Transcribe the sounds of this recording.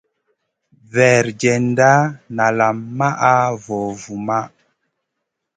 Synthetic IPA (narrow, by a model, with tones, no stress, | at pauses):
vɛ˨ɾd͡ʒɛ˨n˦da˦na˨la˨mːa˦ʔa˦vɔ˨vu˨ma˦